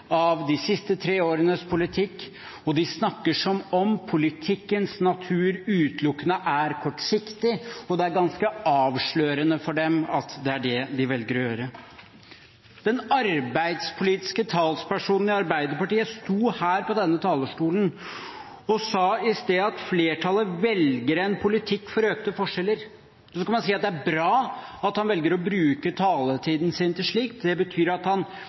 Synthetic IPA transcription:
ɑʋd̪ɪsɪst̪ət̪ʰɾeːoːɾənəspʰʊlɪt̪ʰɪkː | ɔd̪ɪsnɑkːəʂɔmɔmpʰʊlɪt̪ʰɪkːənsnɑt̪ʰʉːɾʉːt̪ʰlʊkːənəʔæɾkʰɔʈːsɪkt̪ɪɔd̪ɛæɾɡɑnskəɑːʋʂɭøːɾənəfɔɖɛmɑt̪d̪ɛæɖɛd̪ɪʋɛlɡəɾjøːɾə | d̪̥ɛnɑɾbæɪd̪spʰʊliːt̪ɪ̥skət̪ʰɑːlspæʂuːnn̩ɪɑɾbæɪd̪əɾpɑʈiːəst̪uːhæːɾpɔd̪ɛnːət̪ʰɑːləʂʈuːlən | ɔsɑːɪst̪eːɑt̪fleːʈʰɑlːəʋɛlɡəɾɛnpʰʊlɪt̪ʰɪkːfɔɾøːk̚t̪əfɔʂɛlːəɾ | sɔskɑnmɑnsiːɑt̪̚d̪ɛææɾbɾɑːɑt̪hɑnʋɛlɡəɾɔbɾʉːkət̪ʰɑːlət̪ʰiːd̪n̩sɪnt̪ʰɪlʂɭiːkt̪d̪ɛbət̪ʰyːɾɑt̪hɑn

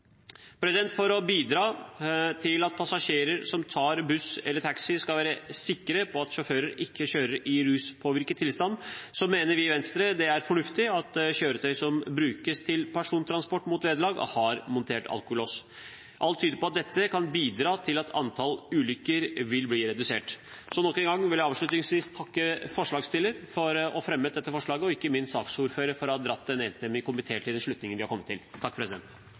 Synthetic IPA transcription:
pʰɾɛsɪd̪ɛnt̪fɔɾɔbiːd̪ɾɑːt̪ʰɪlɑt̪̚pʰɑsɑʂeːɾəɾsɔmt̪ʰɑːɾbʉsɛ̰lːəʈʰæksɪskɑlʋæːɾəsɪkːəɾəpʰɔɑt̪ʃɔføːɾəɾɪkʰːəɕøːɾəɾɪɾʉːspʰoːʋɪɾkət̪ʰːɪlst̪ɑnːsɔmeːnəɾʋɪʋɛnst̪ɾəd̪ɛæɾfɔɳʉft̪ɪɑt̪ɕøːɾət̪ʰœʏsɔmbɾʉːkəst̪ʰɪlpʰæʂuːnt̪ʰɾɑnspɔʈːmuːt̪ʋeːd̪əlɑːɡɔ̰hɑɾmʊnt̪ʰeːʈɑ̰lkʊloːs | ʔɑlt̪ʰːyːd̪əɾpɔɑt̪̚d̪ɛt̪ːəkʰɑnbiːd̪ɾɑːt̪ʰɪlɑt̪ʰɑ̰nt̪ʰɑlʉːlʏkːəɾʋɪlbliːɾɛd̪ʉsḛːʈ | sɔnɔkːɛnŋɡɑŋːʋɪljæɑːʋʂɭʉt̪nɪŋsʋiːst̪ʰɑkːəfɔʂɭɑːɡst̪ɪlːəɾfɔɾɔfɾɛmːət̪d̪ɛt̪ːəfɔʂɭɑːɡəɔɪkːəmɪnsɑːksuːɾføːɾəfɔɾɔhɑːd̪ɾɑt̪ːd̪ɛneːnst̪ɛmːɪŋkʊmbət̪ʰeːʈʰɪld̪ɛnʂɭʉt̪nɪŋənʋɪhɑɾkɔmːət̪ʰːɪlʰːɑkːpʰɾɛsɪd̪ɛ̰nt̪

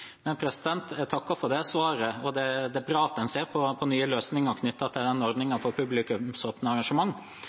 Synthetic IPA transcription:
mɛnpʰɾɛsɪd̪ɛnt̪t̪ʰɑkːɑfɔɾd̪ɛsʋɑːɾəɔd̪ɛd̪ɛbɾɑːt̪ɛnseːɾpʰɔpʰɔnyːəløːsnɪŋɔkʰnʏt̪ːɑt̪æd̪ɛnɔɾd̪nɪŋɑfɔɾpʰʉblɪkʉmsoːpnəɑɾɑŋʂəmɑŋː

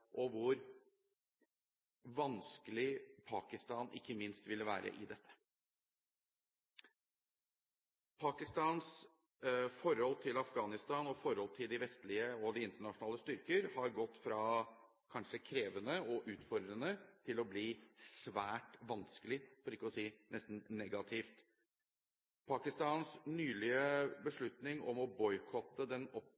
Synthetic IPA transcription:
ʔɔʋʊɾ | ʋɑnskəlɪpʰɑːkɪst̪ɑːnʔɪ̰kːəmɪnst̪ʋɪlːəʋæːɾə̰ʔɪ̰d̪ɛt̪ʰːə̥ | pʰɑːkɪst̪ɑːns | fɔɾhɔlt̪ʰɪlɑfɡɑːnɪst̪ɑːnɔfɔɾhɔlt̪ʰɪld̪ɪʋɛst̪lɪəɔd̪ɪɪnt̪əɳɑʂʊnɑːləst̪ʏɾkəɾhɑɾɡɔt̪ːfɾɑː | kʰɑnʂəkʰɾeːʋənəɔʔʉːt̪fɔɾd̪ɾənət̪ʰɪlɔbliːsʋæːʈʋɑnskəlɪfɔɾɪkːəɔsiːnɛst̪n̩nɛɡɑt̪ʰɪft̪ | pʰɑːkɪst̪ɑːnsnyːlɪəbəʂɭʉt̪nɪŋɔ̰mɔbɔʏkʰɔt̪ːəd̪ɛnɔp

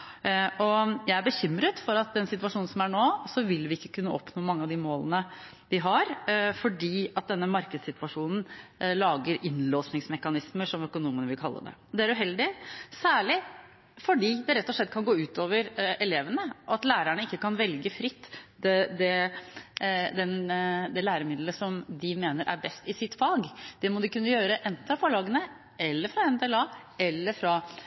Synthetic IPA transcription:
ʔɔjæɪæbəçʏmːɾət̪fɔɾɑt̪̚d̪ɛnsɪt̪ʋɑʂuːnnsɔmæɳoːsɔʋɪlʋɪɪkːə̥kʰʉnːəʔɔpnoːmɑŋːəɑʋd̪ɪmoːlənə | ʋɪɦɑɾfɔɖiːɑt̪̚d̪ɛnːəmɑɾkəd̪sɪt̪ʋɑʂuːnn̩lɑːɡəɾʔɪnloːsnɪŋsmɛkɑnɪsməʂɔmœkʊnuːmənəʋɪlkʰɑlːə̰d̪ɛ̰d̪ɛæɾʉɦɛld̪ɪsæːɭɪ | fɔɖiːd̪ɛɾɛt̪ːɔʂɭɛt̪ːkʰɑnɡoːʉːt̪oːʋəɾɛleːʋənəʔɑt̪læːɾæɳəɪkːəkɑnʋɛlɡəfɾɪt̪ːd̪ɛd̪ɛ | d̪ɛnd̪ɛlæːɾəmɪd̪ləsɔmd̪ɪmeːnəɾʔæ̰ɾbɛst̪ɪsɪt̪ːfɑːɡd̪̥ɛmɔd̪ɪkʉnːəjøːɾəʔɛnt̪n̩ɑfoɭɑːɡənə | ʔɛlːəɾfɾɑɛmt̪ʰɛɛlɑːɛlːəɾfɾɑ

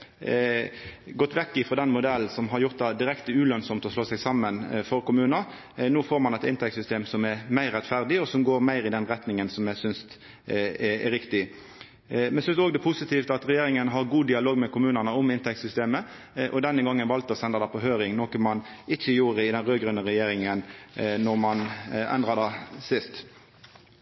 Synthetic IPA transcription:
ɡɔt̪ːʋɛkːɪfʁɔd̪ɛnmʊd̪ɛlːnsɔmɦɑɾjʊɾt̪̚d̪ɛd̪ɪɾɛkt̪əʉlœnsɔmt̪ɔsloːsɛɡsɑmːənfɔɾkʊmʉːnə | nuːfoːɾmɑnɛt̪ɪnt̪ʰɛktsʏst̪eːmsɔmɛɾmæɪɾːɛt̪fæʁd̪ɪɔsɔmɡoːɾmæɪɾɪd̪ɛnɾɛt̪nɪŋənsɔmjæsʏnst̪ | ɛ̰ɾɪkt̪ɪ | mɛnsʏnsoːɡd̪ɛpʰʊsɪt̪iːft̪ɑt̪ɾɛjeːɾɪŋənɦɑʁɡuːd̪ɪɑloːɡmɛkʊmʉːnənəʊmɪnt̪ʰɛk̚t̪sʏst̪eːmə | ʔɔd̪ɛnːəɡɑŋːənʋɑlt̪ɔsɛnd̪ɑd̪ɑpʰɔɦøːɾɪŋnoːkəmɑnɪçːəjuːɾəɪd̪ɛnʁøːɡɾʉnəʁɛjeːɾɪŋənnɔɾmɑnɛ̰nd̪ʁɑd̪ɛsɪst̪

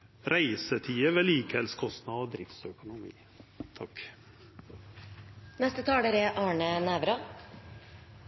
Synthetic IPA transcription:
ɾæɪsət̪ʰiːəʋeːliːkhɛlskʰɔst̪nɑoːd̪ɾɪfsœkʊnʊmḭː | t̪ʰɑk | nɛst̪ət̪ʰɑːɖeɾeʔɑːɳənæʋɾɑ

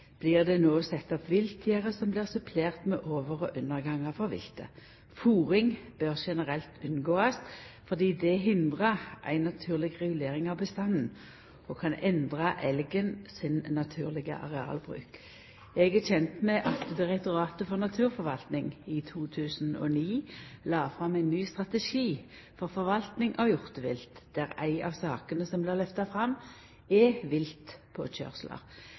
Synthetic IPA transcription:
b̥lɪʁd̪ɛnoːsɛt̪ːɔpʋɪlt̪ʰɪəʁəsɔmblɪːʁsʉpʰleːʁt̪mɛʔoːʋəʁɔʔʉnːəʁɡɑŋɑfɔʁʋɪ̰lt̪ə̰ | fuːʁɪŋb̥øʁʃɛnəʁɛlt̪ʉnɡoːɑsfɔʁd̪iːd̪ɛɦɪnd̪ʁɑʔæ̰ɪnɑt̪ʰʉːʁlɪɡʁɛɡʉleːʁɪŋɑʋbəst̪ɑnn̩ | ɔkʰɑnɛnd̪ʁɑʔɛlɡənsɪnnːɑt̪ʰʉːʁlɪɡə̰ʔɑ̰ʁɛɑ̰ːlbʁʉ̰ːk | ɛɡæçɛnt̪mɛʔɑt̪d̪ɪʁɛkt̪ʊʁɑːt̪əfɔʁnɑt̪ʰʉːʁfɔʁʋɑlt̪nɪŋɪt̪ʰuːt̪ʰʉːsn̩ɔ̰niːlɑːfʁɑmːæɪnːyːst̪ʁɑt̪əʃiː | fɔʁfɔʁʋɑlt̪nɪŋʔɑʋjʊʁt̪əʋɪlt̪d̪̥æʁæɪʔɑ̰ʋsɑːkənəsɔmblɪʁlœft̪ɑfʁɑm | ɛʋɪlt̪pʰɔc͡çœ̰ʁslə̰ʁ

